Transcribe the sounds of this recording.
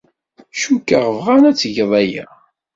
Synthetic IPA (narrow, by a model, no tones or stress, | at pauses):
ʃukːaʁəvʁænæt͡sːʝəðˤæjæ̰